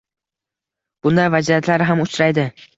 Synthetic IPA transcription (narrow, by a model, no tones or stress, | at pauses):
b̥ʊnd̪avad͡ʒiat̪ʰlaɾɪɦamʊt͡ʃɾajd̪ɪ